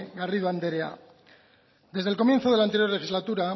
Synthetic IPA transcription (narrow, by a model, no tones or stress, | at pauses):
ɡariðoand̪eɾea̰ | d̪e̞zðelko̞mje̞nθoð̞e̞lant̪eɾjo̞ɾlexizlat̪uɾa